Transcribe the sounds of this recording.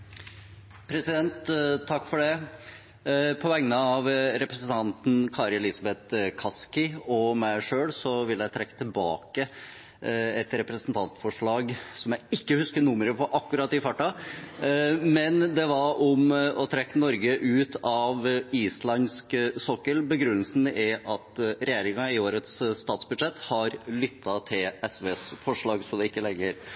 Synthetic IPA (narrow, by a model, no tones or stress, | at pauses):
pʰɾɛsɪd̪ɛnt̪t̪ʰːɑkːfɔɖɛ | pʰɔʋɛŋnəɑʋɾɛpɾəsən̩t̪ʰɑnt̪n̩kʰɑːɾɛlɪsɑbɛt̪kʰɑskɪɔmæɪʂøːlsɔʋɪlːjæɪt̪ʰɾɛkːə̥t̪ʰɪlbɑ̰ːkə | ɛt̪ɾɛpɾəsənt̪ʰɑnt̪fɔʂɭɑːɡsɔmjæɪɪkːəhʉskənʊməɾəpʰɔʔɑkːʉɾɑt̪ɪfɑʈːɑ | mɛnd̪ɛʋɑɾɔmɔt̪ʰɾɛkːənɔɾɡəʔʉːt̪ɑʋiːslɑnsksɔkːəlbəɡɾʉnːəlsn̩ʔɛʔɑt̪ɾɛjeːɾɪŋɑɪoːɾət̪sst̪ɑːt̪sbʉd̪ʂɛt̪ːhɑɾlʏt̪ːɑt̪ʰɪlɛsʋeːsfɔʂɭɑːɡsɔd̪ɛɪkːəlɛɡːəɾ